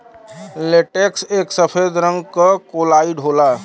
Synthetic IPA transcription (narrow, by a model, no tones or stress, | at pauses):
leʈekseksəpʰed̪ɾəŋɡkəkolaiɖɦola